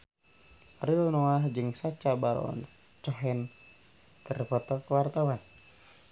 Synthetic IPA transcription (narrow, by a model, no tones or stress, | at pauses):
rilnɔaɦd͡ʒɨŋsat͡ʃabaɾɔ̰n | t͡ʃɔɦɛn | t̪ərpɔt̪ɔkwart̪awan